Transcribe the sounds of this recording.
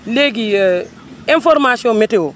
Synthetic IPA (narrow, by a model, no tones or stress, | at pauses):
leɡi | ĩnfoɾmasiõmeteo